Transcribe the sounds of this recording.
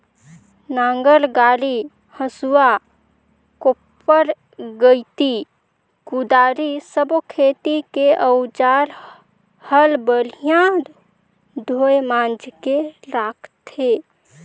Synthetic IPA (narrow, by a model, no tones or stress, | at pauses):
naŋɡəɾɡaɾi | həsua | kopː | əɾ | ɡəjt̪i | kud̪aɾisəbokʰet̪ikeʔəwd͡ʒaɾ | həlbəɾijãɾ | d̪ʱojmãnd͡ʒkeɾakʰt̪ʰe